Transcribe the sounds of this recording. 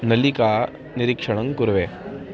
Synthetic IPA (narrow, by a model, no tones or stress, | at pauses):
nɐlikaː | niɾikʂɐɳɐŋkuɾʋe